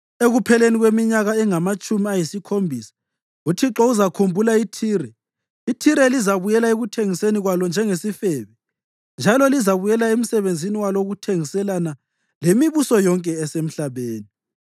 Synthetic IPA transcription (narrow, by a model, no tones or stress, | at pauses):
eɣupʰɛleniɣwemiɲaɣaɛŋamat͡ʃʼumiajisikʰombʱisḁ | utʰiǁɔuzakʰumbʱulaitʰiːrɛ | itʰiɾɛlizaβujɛlaeɣutʰeŋiseniɣwalɔnd͡ʒʱɛŋesifɛːβɛ | nd͡ʒʱalɔlizaβujɛlaem̩sɛβend͡zʱiniwaloɣutʰeŋisɛlana | lemiβusɔjɔŋkʼɛːsem̩ɬaβeːni